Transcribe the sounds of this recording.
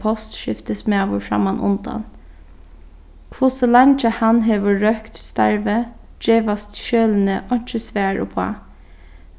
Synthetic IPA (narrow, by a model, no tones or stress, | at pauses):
pʰɔst̪ʃɪft̪əsmɛaʋʊɹfɹa̰manʔʊ̰nd̪a̰n | kʰʋʊsəlant͡ʃəhanɦeːʋəːœkt̪st̪a̰ɹʋə | d͡ʒeːʋast̪ʃøːln̩əʔɔɲ̥t͡ʃəsʋæːɹʊ̰pʰa̰